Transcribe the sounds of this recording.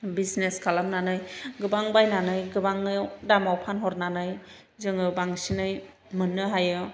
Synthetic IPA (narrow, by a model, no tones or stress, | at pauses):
bisneskʰalamnanɯjɡɯbaŋbajnanɯjɡɯbaŋɯdamawpʰanɦɔɾnanɯj | zɯŋɯbaŋsinɯj | mɯnːɯɦajɯ